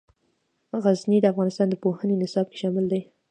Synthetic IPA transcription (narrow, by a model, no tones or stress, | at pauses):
ɣaznid̪əafɣɑnɪst̪ɑnd̪əpohənenɪsɑb̚ke̥ʃɑmɪld̪aj